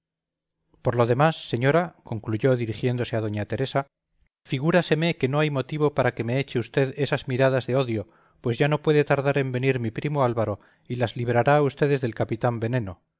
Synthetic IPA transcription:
po̞ɾlo̞ð̞e̞masːe̞ɲo̞ɾako̞ŋkluʝo̞ðiɾixjend̪o̞se̞að̞o̞ɲat̪e̞ɾe̞sa | fiɣuɾase̞meke̞no̞ajmo̞t̪iβ̞o̞paɾake̞me̞et͡ʃe̞ust̪e̞ðe̞sazmiɾað̞azðe̞o̞ðjo̞ | pwe̞zʝano̞pwe̞ðe̞t̪aɾðaɾe̞mbe̞niɾmipɾimo̞alβaɾo̞ | ilazliβɾaɾaːust̪e̞ðe̞zðe̞lkapit̪ambe̞nẽ̞no̞

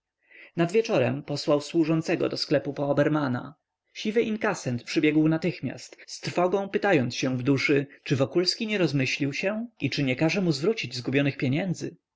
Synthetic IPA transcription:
nad̪vʲjɛt͡ʂɔɾɛmpɔswawswuʐɔnt̪sɛɡɔ̰d̪ɔsklɛpupɔːbɛɾmana̰ | ɕivɘʔiŋkasɛnt̪pʂɘbʲjɛɡwnat̪ɘxmʲja̰st̪st̪ɾfɔɡɔ̃w̃pɘt̪ajɔnt̪sɕɛ̃vd̪uʂɘt͡ʂɘvɔkulskʲiɲɛɾɔzmɘɕlʲiwɕɛit͡ʂɘɲɛkaʐɛmuzvɾut͡ɕid͡ʑzɡubʲjɔnɘxpʲjeɲɛnd̪zɘ̰

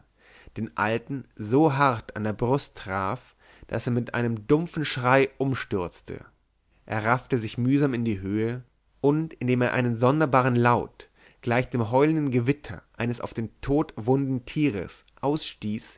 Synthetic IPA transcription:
d̥eːnʔa̰ltn̩zoːɦaɐta̰ndeːɐbʁʊstːʁ̥a̰ːf | d̥a̰seːɐmɪtʔa̰ɪnəmdʊmfn̩ʃʁ̥aɪʔʊmʃtʏɐt͡stʰə̰ | ʔḛːɐʁaftəzɪçmyːzaːmɪndiːɦøːə | ʔʊntɪndeːmeːɐʔa̰ɪnənzɔndɐbaːʁənlaʊt | ɡ̥laɪçd̥eːmɦɔʏləndn̩ɡəvɪtʰɐ̰ʔaɪnəsa̰ʊfd̥eːntʰoːtvʊndn̩tʰiːʁə̰sʔaʊsʃtiːs

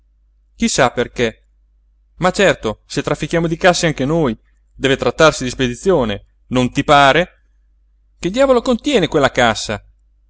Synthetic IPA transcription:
k̟isːaperke | mat͡ʃːɛrt̪oset̪ːɾafːik̟jaːmod̪ikasːeaŋkenoj | d̪ɛːvet̪ɾat̪ːarsid̪isped̪it̪sːjoːne | nont̪ipaːɾe | keld̪jaːvolokont̪jɛːnekwelːakasːa

